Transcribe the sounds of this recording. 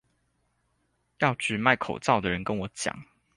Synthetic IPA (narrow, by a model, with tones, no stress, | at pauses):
jɑ˥˨ʊʈ͡ʂɻ̩˨˩ma˥˨ɪkʰo̰˨˩ʊt͡sɑ˥˨ʊd̪ə˩ɻə˨˦nkə˦nwɔ˨˦t͡ɕjɑ̰˨˩˦ŋ